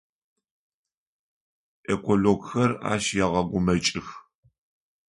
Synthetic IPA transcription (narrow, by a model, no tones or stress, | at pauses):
ʔekʰʷoloɡxɐra̰ːʃjɛʁɐɡʷʊmɐt͡ʃʼɪx